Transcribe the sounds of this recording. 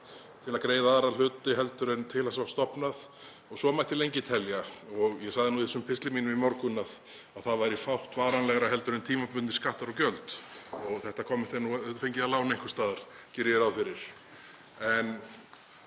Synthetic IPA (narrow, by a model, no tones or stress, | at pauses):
θɛlakɾeːjðaaðɾal̥ʏːt̪ɪɦɛlt̪ʏɾɪnt̪ʰɪlasvast̪ɔpnað | ɔɣsɔmajht̪jɪlejɲcɪt̪ʰɛljaɔɣjɛsaɣðɪnuiθɛsʏmpʰɪst̪lɪmiːnʏmimɔɾkʏnað | aðθaðvaɾifawht̪vaːɾanlɛɣɾaɦɛlt̪ʏɾɪnt̪ʰiːmapʏnɪ̥skaht̪aɾɔwcœlt̪ɔɣθɛht̪akʰɔːmɪn̥t̪ɛnːuœt̪fejɲcɪðalaːwnejŋ̥kʏst̪aːðaɾ̥ | cɪɾjɛɾawfɪɾɪɾ̥ | ɛn